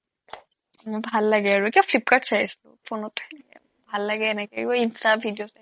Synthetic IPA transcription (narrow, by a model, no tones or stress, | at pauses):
mɔjbʱalːaɡɛaɹuɛkibafʰlip̚katsaɦisilʊ̰pʰonɔtanikɛ̰ | bʱalːaɡɛɛnɛkɛiɔinstabʱidiosa